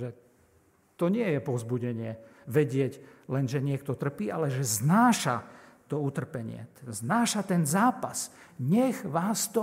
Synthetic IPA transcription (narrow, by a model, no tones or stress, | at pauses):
ʒɛ | t̪ɔɲɪɛjɛpɔzbuɟɛɲɪɛʋɛɟɪɛɟlɛnʒɛɲɪɛk̚t̪ɔt̪r̩piːʔa̰lɛʒɛznaːʃa̰t̪ɔut̪r̩pɛɲɪɛ̰znaːʃat̪ɛnzaːpasɲɛɣʋaːst̪ɔ